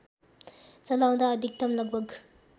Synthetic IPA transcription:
t͡sɐlaw̃d̪aːd̪ʱik̚t̪ʌmlʌɡ̚bʌk

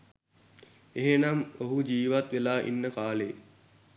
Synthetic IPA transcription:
eɦenamoɦud͡ʒiːʋat̪ʋelaːʔḭnːəkaːleː

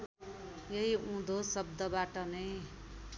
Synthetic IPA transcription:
jʌiũd̪ʱosʌb̚d̪ʌbaʈʌnʌj

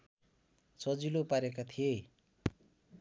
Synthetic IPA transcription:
t͡sʌd͡zilopaɾekat̪ʰije

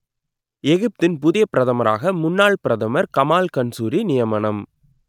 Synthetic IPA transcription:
ɛɣɯp̚t̪ɪnpʊðɪjɐpːɪɾɐðɐmɐɾa̰ːɣɐmʊnːaːɭpɪɾɐðɐmɐɾkɐmaːlkɐnsuːɾinɪjɐmɐɳɐm

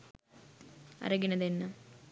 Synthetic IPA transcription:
ɐ̰ɾɐɡinɐðenːɐ

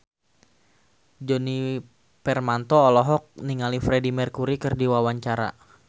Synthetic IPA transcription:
d͡ʒɔni | pɛrmant̪ɔːlɔɦɔk̚niŋalifɾɛdimɛrkuɾikɨrdiwawaɲt͡ʃaɾa̰

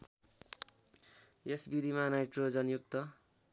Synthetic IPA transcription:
esbid̪ʱimanajʈrod͡zʌnjuk̚t̪ːʌ

